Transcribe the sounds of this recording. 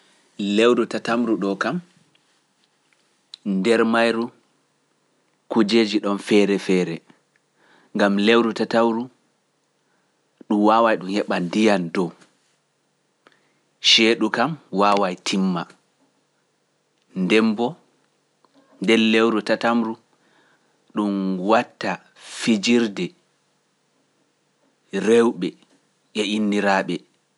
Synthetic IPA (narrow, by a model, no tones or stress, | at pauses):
lewɾutatamɾuɗɔkam | ndɛɾmajɾu | kud͡ʒeːd͡ʒiɗɔnfɛːɾɛfɛːɾɛ | ŋɡamlewɾutatawɾu | ɗumwaːwajɗumhɛɓandijandɔw | ʃɛːɗukamwaːwajtʰimːa | ndɛmbɔ | ndɛlːewɾutatamɾu | ɗumwatːa | fid͡ʒiɾdɛ | ɾewɓɛ | ʔɛinːiɾaːɓɛ